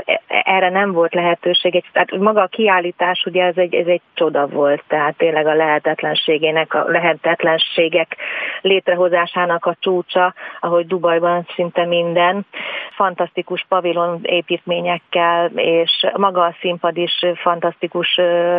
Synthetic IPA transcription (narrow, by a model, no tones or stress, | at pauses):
ʔɛːrɛnɛɱvo̞lt̪lɛɦɛt̪øːʃeːɡɛɟt̪ɛat̪mɒɡɒːkiaːlːiːt̪aːʃuɟɛɛzɛɟɛ̰zɛɟ̚t͡ʃo̞d̪ɒvo̞lt̪ːɛɦaːt̪ːeːnlɛɡɒlɛɦɛt̪ɛt̪lɛnʃeːɡeːnɛkɒ̰lɛɦɛt̪ɛt̪lɛnʃeːɡɛkleːt̪rɛɦo̞zaːʃaːnɒkɒt͡ʃuːt͡ʃɒɒɦo̞ɟd̪ubɒjbɒnsint̪ɛmind̪ɛnfɒnt̪ɒst̪ikuʃpɒvilo̞neːpiːt̪meːɲɛkːɛleːʃmɒɡɒːsimpɒd̪iʃfɒnt̪ɒst̪ikuʃ